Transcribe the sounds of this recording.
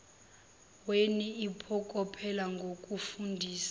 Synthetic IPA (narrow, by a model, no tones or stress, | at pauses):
weniipʰɔkʼɔpʰɛlaŋɡʱokʼufundʱiːsḁ